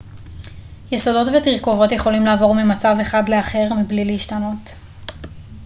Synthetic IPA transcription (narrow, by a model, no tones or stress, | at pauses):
jesodo̞tvetiʁko̞vo̞tjeχo̞limlaːvo̞ʁmimat͡save̞χadle̞aχe̞ʁmibliliiʃtano̞t